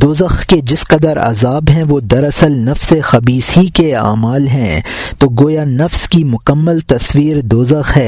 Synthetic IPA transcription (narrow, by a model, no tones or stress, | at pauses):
d̪oːzəxked͡ʒɪsqɐd̪əɾɐ̰zaːbɦɛ̃ʋod̪ɐɾɐsəlnɐfsexɐbiːshikea̰ːmaːlɦɛ̃ː | t̪oɡoːjanɐfskimʊkəmːəlt̪ɐswiːɾd̪oːzəxɦɛː